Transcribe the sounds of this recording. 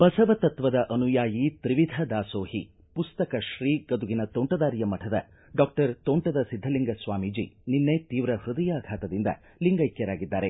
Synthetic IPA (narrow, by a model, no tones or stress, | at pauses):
pɐsɐʋɐt̪ɐt̪ʋɐd̪ɐʔɐnujaːjit̪ɾiʋid̪ʱɐd̪aːsoːhḭ | pust̪ɐkɐʃɾiːɡɐd̪uɡinɐt̪oɳʈɐd̪aːɾijɐmɐʈʰɐd̪ɐ̰ | ɖaːk̚ʈɐɾt̪oːɳʈɐd̪ɐsid̪ʱːɐliŋɡɐsʋaːmid͡ʒḭninːet̪iːʋɾɐhɾud̪ɐjaːɡʰʱaːt̪ɐd̪ind̪ɐ̰ | liŋɡɐjkjɐɾaːɡid̪ːaːɾe̞